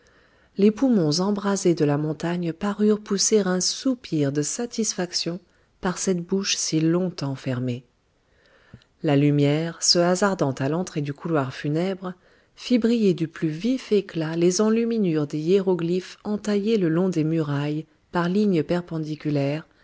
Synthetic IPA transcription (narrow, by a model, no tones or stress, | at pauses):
lepumɔ̃zɑ̃bʁazed̪əlamɔ̃t̪aɲpaʁyʁpuseʁɛ̃supʰiʁd̪əsat̪isfaksjɔ̃ | paʁsɛt̪buʃsilɔ̃t̪ɑ̃fɛʁme | lalymjɛʁsəazaʁd̪ɑ̃t̪alɑ̃t̪χed̪ykulwaʁfynɛbʁ | fibʁijed̪yplyvifeklalezɑ̃lyminyʁd̪eeʁoɡlifɑ̃t̪ajeləlɔ̃d̪emyʁaj | paʁliɲəpɛʁpɑ̃d̪ikʲylɛʁ